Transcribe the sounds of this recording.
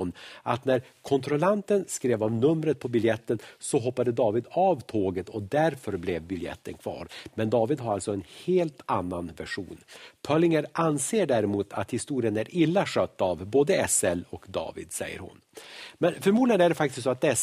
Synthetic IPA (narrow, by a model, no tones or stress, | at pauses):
nʔat̪næɾkʰɔnt̪ɾɔlant̪ənskɾeːvɔmnɵmɾət̪̚pʰɔbɪljɛt̪ːənsɔɦɔpːad̪əd̪ɑːvɪd̪ɑvt̪ʰoːɡət̪ʰɔd̪æɾfœɾblɛvbɪljɛ̰t̪ːənkʰvɑ̰ːɾmɛnd̪ɑːvɪd̪ɦaɾalt̪sɔɛnheːlt̪ʰanːanvæʂṵːnpʰœlɪŋəɾanseːɖæɾɪmuːt̪ʰa̰t̪hɪst̪uːɾɪənæɾʔɪlːaʂœːt̪ːavboːd̪əɛsɛlɔkd̪ɑ̰ːvɪ̰d̪sɛ̰jːə̰ɾhʊ̰nmɛnfœɾmuːd̪ɪɡənæɖɛfakt̪ɪst̪sɔːat̪̚d̪ɛs